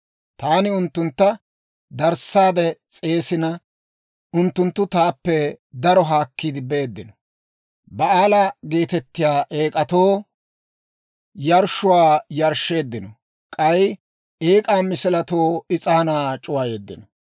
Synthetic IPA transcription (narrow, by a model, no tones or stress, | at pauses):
t̪aːnɪʊnt̪ːʊnt̪ːɐ | d̪ɐɾsːaːd̪ɛt͡sʼe̞ːsɪnɐ | ʔʊnt̪ːʊnt̪ːʊt̪aːpːɛd̪ɐɾɔɦaːkːid̪ɪbeːd̪ːɪnɔ | bɐaːlɐɡe̞ːt̪ɛt̪ːɪjaːʔe̞ːkʼɐt̪o̞ː | jɐɾʃʊwaːjɐɾʃe̞ːd̪ːɪnɔ | kʼɐj | eːkʼaːmɪsɪlɐt̪o̞ːɪt͡sʼɐnaːt͡ʃʼʊwaje̞ːd̪ːɪ̰nɔ